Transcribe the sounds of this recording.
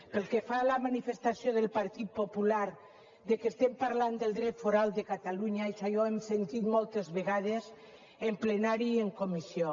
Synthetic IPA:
pelkefalamanifest̪asjoðelpaɾt̪it̪̚populaɾ | ðekest̪ɛmpaɾland̪elˠd̪ɾɛt̪foɾalˠd̪ekat̪aluɲaesajɔemsent̪it̪mɔlˠt̪ezβeɣað̞ez | emplenaɾieŋkomisjo

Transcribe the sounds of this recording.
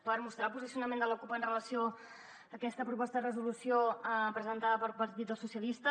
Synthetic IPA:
pəɾmust̪ɾalˠpuzisiunəmend̪ələkupəːnrələsio | əkɛst̪əpɾupɔst̪əðərəzulusiopɾəzənt̪aðəpəɾlˠpəɾt̪it̪d̪əlˠsusjəlist̪ə

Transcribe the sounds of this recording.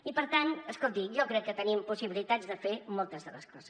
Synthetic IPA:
ipəɾt̪anəskolˠt̪iʒɔkɾɛkːət̪ənimpusiβilit̪add͡zðəfemɔlˠt̪əzðələ̰skɔzəs

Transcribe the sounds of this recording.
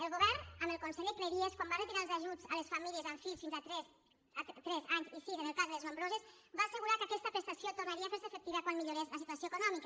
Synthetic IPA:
elˠɣuβɛrnəməlkunsɛʎəkleɾieskwambarət̪iɾalˠzaʒud͡zəlesfamiliəzaɱfiʎsfinzat̪ɾɛs | at̪t̪ɾɛzaɲzisienelˠkazðəleznõmbɾozesbaːsəɣuɾakəakɛst̪əpɾest̪asjot̪urnaɾiafeɾsefek̚t̪iβakwanmiʎuɾezləs̬it̪uasjoekunɔmikə

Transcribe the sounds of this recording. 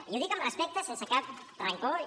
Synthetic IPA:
jowðikamaspɛk̚t̪əsensəkap̚t̪ɾaŋko

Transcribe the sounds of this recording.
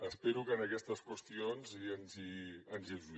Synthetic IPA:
əspeɾukəːnəkɛst̪əskwəst̪ionziənziənzilz

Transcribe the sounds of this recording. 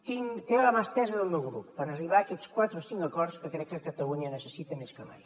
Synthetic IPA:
t̪iŋt̪eləmast̪ɛzəðəlˠmewɣɾṵppəɾəriβaːkɛt̪skwat̪ɾosiŋkəkɔɾskəkɾɛkːəkət̪əluɲənəsəsit̪əmeskəma̰j

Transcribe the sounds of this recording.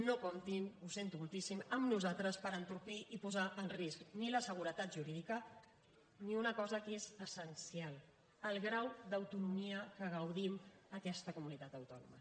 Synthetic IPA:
nokomt̪imusent̪umulˠt̪isiməmnuzalt̪ɾəspəɾənt̪uɾpiʔipuzaʔənriskniləsəɣ̞uɾət̪at̪̚ʒuɾiðikə | niunəkɔzəkezəsənsialˠ | əlˠɣɾawd̪əwt̪unumiəkəɣəwðiməkɛst̪əkumunit̪at̪əwt̪ɔnṵmə̰

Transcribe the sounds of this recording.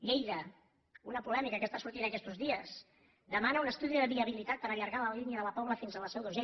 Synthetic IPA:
ʎejðə | unəpulɛmikəkəst̪asuɾt̪inəkɛst̪uzðiəs | d̪əmanəunəst̪uðiðəβiəβilit̪at̪̚pəɾəʎəɾɣaləliniəðələpɔβləfinzələsɛwðuze

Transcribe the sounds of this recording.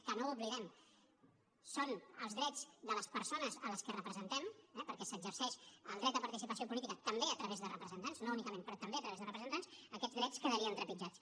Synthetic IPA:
kənouβliðɛm | sonəlˠzðɾɛd͡zd̪ələspəɾsonəzələskərəpɾəzənt̪ɛmɛpəɾkɛsəɡzəɾsɛʃəlˠd̪ɾɛt̪d̪əpaɾt̪isipəsiopulit̪ikət̪əmbeət̪ɾəβezðərəpɾəzənt̪anznounikəmẽnpɾɔt̪əmbeət̪ɾəβezðərəpɾzənt̪ansəkɛd͡zðɾɛt͡skəðəɾiənt̪ɾəpid͡ʒat͡s

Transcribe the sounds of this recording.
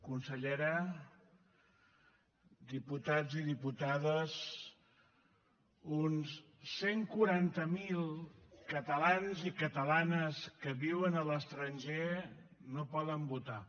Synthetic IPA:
kunsəʎeɾə | d̪iput̪ad͡ziðiput̪aðəz | uns | seŋkuɾant̪əmilˠkət̪əlanzikət̪əlanəskəβiwənələst̪ɾənʲʒe | nopɔðəmbut̪a

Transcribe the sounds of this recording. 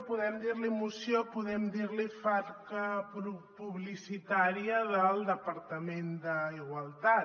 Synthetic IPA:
puðɛmd̪iɾlimusjopuðɛmd̪iɾlifaɾkəpɾupuβlisit̪aɾjəðəlˠd̪əpəɾt̪əmend̪əiɣwalˠt̪a

